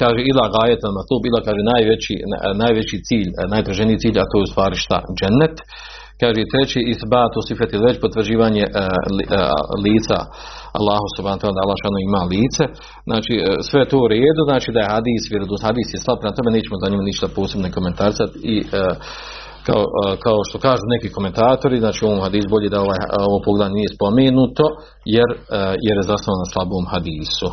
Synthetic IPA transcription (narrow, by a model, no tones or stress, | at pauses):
kaːʒeilˠaɡaːjet̪namat̪oːbiːlˠakaːʒeːnaːjʋet͡ɕḭnaːjʋe̞t͡ɕit̪siːʎnaːjt̪ɾaʒenijit̪siːʎat̪oːjeust̪ʋaːɾiʃt̪a̰d͡ʒenːat̪ | kaːʒet̪ɾet͡ɕiːisbaːt̪oːsifat̪jilˠʋe̞t͡ɕpot̪ʋr̩d͡ʑiːʋaːɲeʔ | liːt̪sa̰ | a̰lːaːɦosubhaːnt̪ad̪alˠːaːʃaːnoimaːliːt̪se̞ | znʔaːt͡ʃiːsʋe̞jet̪oːuɾeːd̪uznaːt͡ʃiːd̪aje̞had̪iːsʋjeɾod̪uhad̪iːsjeslˠab̚pɾemat̪o̞mene̞ːt͡ɕemo̞zaɲimanit͡ʃt̪apoːsebnoko̞me̞nt̪aɾisat̪i | ka̰okaoʃt̪o̞kaːʒuːnekiːko̞ment̪aːt̪o̞ɾiznaːt͡ʃiːuoʋoːmhad̪iːsuboʎeːd̪aoʋaːj̰oʋoːpoɡld̪aɲnije̞spo̞meːnut̪o̞ | jeɾjeɾjezasnoʋanaslˠaboːmhad̪iːsu